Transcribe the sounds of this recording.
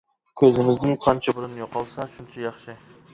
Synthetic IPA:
kʲʰɵzɪmɪzd̪ɪŋqʰɑnt͡ʃʰɑbʊɾʊnjoqɑlˠsɑʃʊnt͡ʃʰɛjɑχʃɪ

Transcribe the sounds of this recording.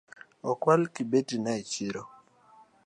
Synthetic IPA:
ɔkwalkibetinait͡ʃiɾɔ

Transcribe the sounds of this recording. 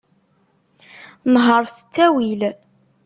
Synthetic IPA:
nɦəɾˤsə̥t͡sːæwil

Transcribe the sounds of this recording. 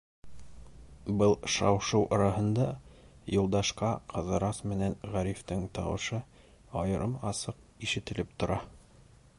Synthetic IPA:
bɤlˠʃɑwʃɤwʔɑɾɑɦɤ̆nd̪ɑ | jŏlˠd̪ɑʃqɑqʰɤ̆ðɤ̆ɾɑsmɘ̆nænʁæɾift̪ɘŋt̪ɑ̰wɤ̆ʃɤ | ɑjɤ̆ɾɤmɑsɤq̚ | iʃɘ̆t̪ɘ̆lɘp̚t̪ŏɾɑ

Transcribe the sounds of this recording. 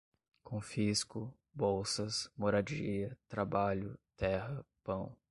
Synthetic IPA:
kõfiskʊ | bowsɐsmoɾad͡ʒiɐt̪ɾabaʎʊt̪ɛɦɐpɐ̃w̃

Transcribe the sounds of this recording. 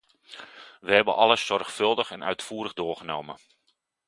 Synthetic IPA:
ʋəɦɛbənʔɑləsːɔrxfɵlˠdəχɛnœ̰ɥtfuːɾəɣdoːɹɣənowmə̰

